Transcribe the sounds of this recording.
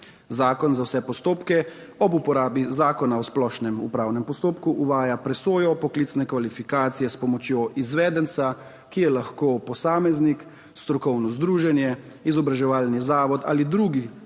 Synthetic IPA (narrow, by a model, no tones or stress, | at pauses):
zaːkɔnzawsɛpɔst̪oːpkɛ | ɔbupɔɾaːbizaːkɔnaɔsplɔʃnɛmṵpɾaːwnɛmpɔst̪oːpkuʔuʋaːjapɾɛsoːjɔpɔkliːt̪snɛkʋalifikaːt̪sijɛspɔmɔt͡ʃjoːʔizʋɛːd̪ɛnsa | kijɛlaxkoːpɔsaːmɛznik | st̪ɾɔkɔwnɔzd̪ɾuːʒɛnjɛ | izɔbɾaʒɛʋaːlnizaːʋɔt̪a̰lid̪ɾuːɡi